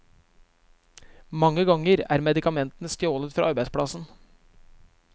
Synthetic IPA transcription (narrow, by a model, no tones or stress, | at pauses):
mɑŋːəɡɑŋəɾæ̰ːɾmɛd̪ɪkɑmɛnt̪n̩əst̪joːlət̪fɾɑ̰ːɑɾbæɪspɽɑsn̩